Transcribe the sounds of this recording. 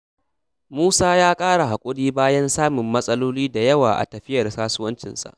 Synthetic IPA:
muː˦saː˦jaː˦kʼaː˦ɽa˨ɦa˨kʷʼʊ˦ɽiː˦baː˦jɐ˦nsaː˦mɪ˨mːɐ˦sʼɐ˦loː˦liː˦da˨jɐ˦waː˨ʔa̰˨tɐ˨ɸɪ˦jɐ˨rsaː˦sʊ˦wɐ˦nt͡ʃɪ̰˨nsa̰˨ʔ

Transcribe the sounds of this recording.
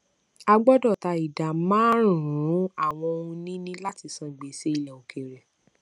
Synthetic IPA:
a˧ɡ͡bɔ˦dɔ˦˨ta˧i˨da˨mãː˦ɾũ˨˦a˦˨w̃ɔ̃˧o˧ũ˧nĩ˦nĩ˦la˦ti˧sã˧˨ɡ͡be˨˦se˦i˧lɛ˨o˨ke˨ɾɛ˨

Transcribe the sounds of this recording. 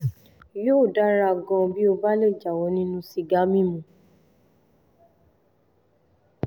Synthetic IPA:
joː˦˨da˨˦ɾa˧ɡɔ̃˧bi˦o˧ba˦le˦˨d͡ʒa˨wɔ˨˦nĩ˦nũ˦si˧ɡa˨˦mĩ˦˨mũ˨˦

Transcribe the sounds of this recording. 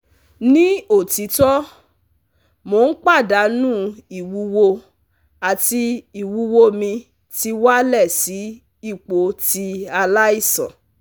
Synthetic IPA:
nĩ˦o˦˨ti˨˦tɔ˦ | mo˨n̩˦k͡pa˦˨da˨˦nũ˦i˨wu˧wo˧ | a˨ti˧i˨wu˧wo˧mĩ˧ | ti˧˦wa˦lɛ˦˨si˨˦ | i˦˨k͡po˨˦ti˧a˧la˦i˦˨sã̰˨

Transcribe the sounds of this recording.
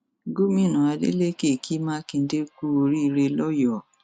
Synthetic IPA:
ɡo˦mĩ˦˨nã˨a˧dḛ˦le˦˨ke˦˨ki˦mã˦kĩ˧n̩˦de˦ku˦o˧ɾi˦i˧ɾe˧lɔ˦jɔ˦˨

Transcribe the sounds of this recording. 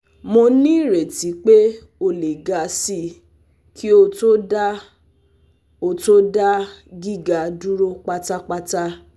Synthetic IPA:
mo˧nĩ˦˨ɾe˨ti˨˦k͡pe˦ | o˧le˨ɡa˧si˧˦ | kʰi˦o˧to˦da˦ | o˧˨to˦da˦ɡi˦˨ɡa˨du˦ɾo˦k͡pa˦ta˦k͡pa˦ta˦

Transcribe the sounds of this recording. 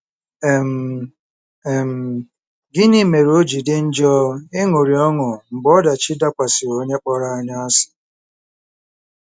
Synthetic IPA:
m̩˨ | m̩˨ | ɡɪ˦ni˦me˨ɾo˦d͡ʒi˨dɪ˦n̩˦d͡ʒɔ˦ɪ˦ŋo˨ɾi˨ɔ˦ŋʊ˨m̩˨bɔ˦da˨t͡ʃi˦da˦kʷa˨sɪ˨wo˦ɲe˦k͡pɔ˦ɾa˦a˨˦ɲa˦a˦sɪ̥˨

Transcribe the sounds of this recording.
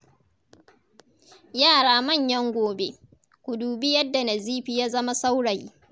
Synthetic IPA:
jaː˦˨ɽaː˦mɐ˦˨ɲjɐ˦ŋɡʷoː˨bḛ˦ | kʷʊ˨duː˨bi˦jɐ˦dːa˨nɐ˨ziː˦ɸi˦jaː˦zɐ˦ma˦sa˦wɽɐ˨ji˦

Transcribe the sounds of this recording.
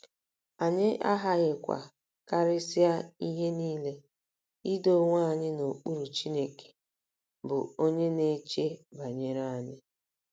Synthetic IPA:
a˨ɲɪ˦ʔa˦ɦa˦ɣɪ˨kʷa̰˨ | ka˦ɾɪ˦sɪ˦a˦i˦ɦe˦niː˦le˦ | i˦do˦ŋʷa˦˨ɲɪ˦no˨k͡pu˦ɾu˨t͡ʃi˦ne˨ke̥˨ | bʊ˨o˦ɲe˦ne˦t͡ʃe˦ba˨ɲe˨ɾa˦˨a˨ɲɪ˦

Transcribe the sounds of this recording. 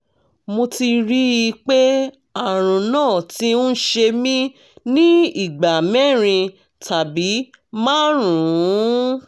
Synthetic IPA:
mo˧ti˧ɾi˦i˧k͡pe˦ | a˦˨ɾ̃ũ˨nãː˦˨tĩ˦ʃe˧mĩ˦ | nĩ˦i˦˨ɡ͡ba˨mɛ̃˦˨ɾ̃ĩ˧ | ta˨bi˨˦ | mãː˦ɾũ˨ũ˨˦

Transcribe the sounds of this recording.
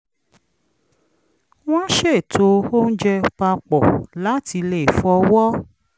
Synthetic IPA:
w̃ɔ̃˦ʃe˦˨tʰo˧o˦n̩˦d͡ʒɛ˧k͡pa˧k͡pɔ˨la˦ti˧le˦˨fɔ˧˦wɔ˦

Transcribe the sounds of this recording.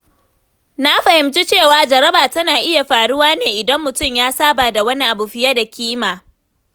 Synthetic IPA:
na˦ɸɐ˨hɪ˨mt͡ʃi˦t͡ʃeː˦˨waː˨d͡ʒɐ˨ɾɐ˦baː˨tɐ˦naː˨ʔɪ˦ja˨ɸaː˨ɽʊ˦waː˦neː˨ʔɪ˨dɐ˦mːʊ˨tʊ˦˨mjaː˦saː˦baː˨da˨wɐ˦ni˦ʔa˨bu˨ɸɪ˦ja˦da˨kʲiː˦maː˨

